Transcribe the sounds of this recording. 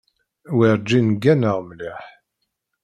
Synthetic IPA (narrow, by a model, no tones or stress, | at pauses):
wiɾd͡ʒːinɡːænəʁmliħ